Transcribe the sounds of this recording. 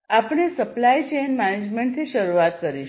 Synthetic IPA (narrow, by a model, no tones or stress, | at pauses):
apəɽ̃esəplajt͡ɕenmæned͡ʑmẽɳʈt̪ʰiʃəɾuat̪̚kəɾiʃ